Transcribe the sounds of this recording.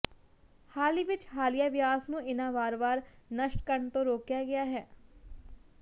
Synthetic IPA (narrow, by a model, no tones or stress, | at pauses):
haːliːʋɪt͡ʃhaːlijaːʋɪjaːsnũːɪnãːʋaːɾʋaːɾnəʃʈkəɾɳt̪õːɾoːkjaːɡɪjaːɦɛː